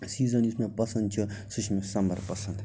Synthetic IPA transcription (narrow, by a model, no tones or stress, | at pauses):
siːzɐnusmepɐsɐnd̪̚t͡ʃʰusɨʃmesɐmbɐɾpɐsɐnd̪